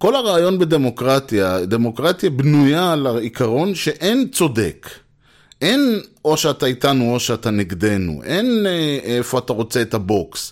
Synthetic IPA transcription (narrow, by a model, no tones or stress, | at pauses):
ko̞laʁaːjo̞nbede̞mo̞kʁat̪jad̪e̞mokʁatjabnujalaikaʁo̞nʃe̞ʔe̞nt͡so̞de̞̰k | ʔe̞no̞ʃeataitanuo̞ʃeataniɡd̪e̞nṵʔe̞nefo̞ataʁo̞t͡se̞ːthabo̞ks